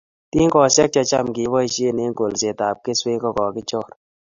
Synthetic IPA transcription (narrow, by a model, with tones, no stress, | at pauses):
ti˦ŋkɔ˨sɛ˦k̚t͡ʃɔ˧t͡ʃa˦mki˨bɔ˦i˦˧ʃe˦˨ne˦ŋɡo˨lse˨ta˨p̚ke˦swe˦kɔ˧kɔ˨kɪ˦t͡ʃɔ˦˨ɾ